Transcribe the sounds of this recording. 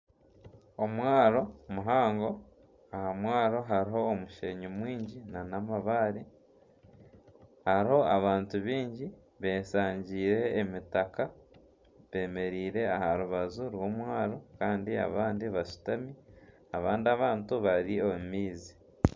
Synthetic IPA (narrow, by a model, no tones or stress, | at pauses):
omwaːɾo̞muɦaːŋɡo̞ | ahamwaːɾo̞ɦaɾiɦo̞ːmuʃeɲomwiːɲɟinanamaβaːɾi | haɾiho̞aβaːntuβiːɲɟi | βe̞ːsaːɲɟiːɾe̞ːmitaka | βe̞ːme̞ɾiːɾe̞ahaɾuβazuɾwo̞ːmwaːɾo̞kaːndia̰βaːndiβaʃu̥tami | aβaːndiaβaːntuβaɾiomumiːzi